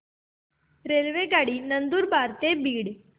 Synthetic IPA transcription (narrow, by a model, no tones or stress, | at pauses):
ɾelʋeɡaɽiːnənd̪uːɾbʱaɾt̪ebiːɽ